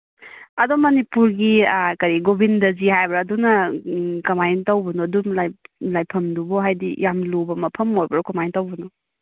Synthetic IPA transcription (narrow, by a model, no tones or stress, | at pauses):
ɐdomɐnipuɾɡikɐɾiɡobindɐzihajbɐɾːdunɐkɐmajntɐwbɐnɔdumlajlajpʰɐmdubɔɦajdḭjamlobɐmɐpʰɐmojbɐɾɔkɐmajntɐwbɐnɔ